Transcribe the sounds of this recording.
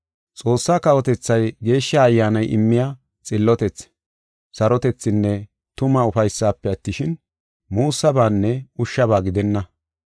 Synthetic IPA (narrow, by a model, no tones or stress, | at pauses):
t͡sʼo̞ːsːaːkɐwɔt̪ɛt͡sːɐjɡe̞ːʃːaːjːaːnɐjʔɪ̰mːɪjaː | t͡sʼɪlːɔt̪ɛt͡s | sɐɾɔt̪ɛt͡sːɪnːɛ | t̪ʊmɐʊfɐjsːaːpːɛɐt̪ːɪʃɪn | muːsːɐbaːnːɛʊʃːɐbaːɡɪd̪ɛnːɐ